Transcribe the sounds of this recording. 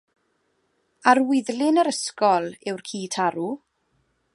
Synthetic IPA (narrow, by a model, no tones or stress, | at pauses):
arwɪðlɪnəɾəskɔlˠɪwrkʰiːtʰaɾu